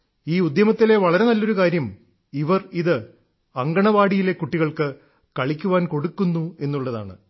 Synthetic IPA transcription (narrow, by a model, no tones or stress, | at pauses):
iːud̪jɐmɐt̪ːile̞ʋɐɭɐɾe̞nɐlːo̞ɾukaːɾjɐm | iʋɐriðɨ | ɐŋɡɐɳɐʋaːɽijile̞kːuʈːiɣɐɭkɨ | kɐɭikʲːuʋaːnko̞ɽukːunːue̞nːuɭːɐða̰ːɳɨ̰